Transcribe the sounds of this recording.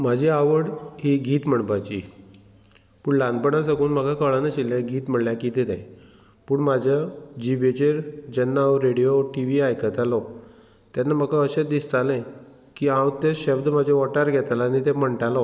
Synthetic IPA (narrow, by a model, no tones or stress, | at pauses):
mad͡ʑʱiaʋəɽɦiɡiːt̪m̤əɳpat͡ɕḭ | puːɳland̪pəɳãs̬akuːnm̤akʰakəɭanaɕilẽɡiːt̪m̤əɳɽljakit̪id̪ḛ̃ | puːɳmad͡ʑʱad͡ʑibet͡ɕeɾd͡ʑənːawɾeɽijoʈiʋiajkʰət̪alɔ | t̪janːam̤akʰaəɕed̪ist̪alẽ | kiãwt̪eɕebd̪m̤ad͡ʑʱeʋɔʈaɾɡʱɛt̪alaːnit̪ẽməɳʈalɔ